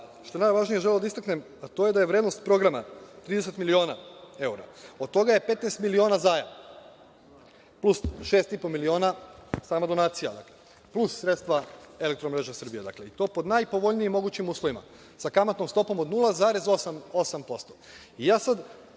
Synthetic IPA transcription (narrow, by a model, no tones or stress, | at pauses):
ʃt̪oenajʋaʒnije̞ʒelelod̪aist̪aknem | at̪o̞je̞d̪ajeʋɾed̪no̞st̪pɾo̞ɡɾamat̪ɾiːd̪e̞se̞t̪milio̞ːnae̞uɾa̰o̞d̪̚t̪o̞ɡaje̞pe̞t̪nest̪milio̞ːnazaːja | plusʃeːst̪ipo̞milio̞ːnasaːmad̪o̞naːt̪sija̰d̪a̰kle | plussɾe̞t̪st̪ʋae̞lek̚t̪ɾomɾe̞ʒesr̩bijed̪a̰kleit̪o̞ːpo̞d̪najpo̞ʋo̞ʎniimːo̞ɡuːt͡ɕimuːslˠoʋima̰ | sakamat̪nomst̪o̞po̞mod̪nulˠazaɾe̞zosamosampo̞st̪o | ijaːsad̪